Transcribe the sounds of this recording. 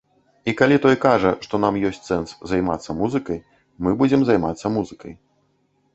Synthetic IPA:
ikalʲit̪ɔjkaʐɐʂt̪ɔnamjɔsʲtʲsɛnszajmat̪sːɐmuzɨkɐj | mɨbud͡zʲɛmzajmat̪sːɐmuzɨkɐj

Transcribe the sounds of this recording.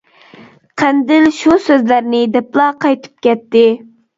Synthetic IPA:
qʰænd̪ɪlʃusøzlæɾnɪd̪ɛplˠɑqʰɑjt̪ʰɨ̥p̚kʲɛt̪ːɪ

